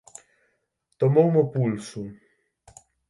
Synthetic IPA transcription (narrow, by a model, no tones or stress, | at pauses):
t̪omowməpulsu